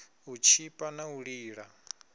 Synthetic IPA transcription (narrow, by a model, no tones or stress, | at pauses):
ut͡ʃʰipʼanauɺiːɺa